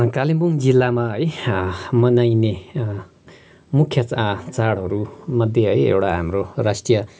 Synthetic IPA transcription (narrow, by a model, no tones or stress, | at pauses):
kalimbuŋd͡zilːamaɦʌjmʌnajne | mukʰːjʌt͡st͡saɽɦʌɾumʌd̪ʱjeɦʌjḛwʈaɦamɾoɾasʈijʌ